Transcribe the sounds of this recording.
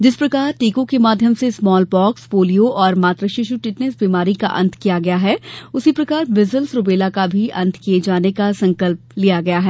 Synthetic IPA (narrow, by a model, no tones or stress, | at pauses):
d͡ʒɪspɾɐkaːɾʈiːkõkemaːd̪ʱjəmsesmɔːlbɔːksfoːlijoʔɔːɾmaːt̪ɾəʃɪʃuʈɪʈnesbimaːɾika̰ʔɐ̃nt̪ʰkijaɡɐjaɦɛʊsipɾɐkaːɾbɪzəlsɾʊbeːlakabʱiɐ̰̃nt̪ʰkijed͡ʒaːnekasɐ̃ŋkəlp̚lijaɡɐjaɦɛː